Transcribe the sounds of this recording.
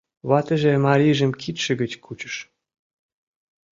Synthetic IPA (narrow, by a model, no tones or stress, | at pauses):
βɑt̪ə̆ʒĕmɑɾʲiʒə̆mkʰit̪ʃə̆ɣə̆t͡ɕkʰut͡ɕə̥̆ʃ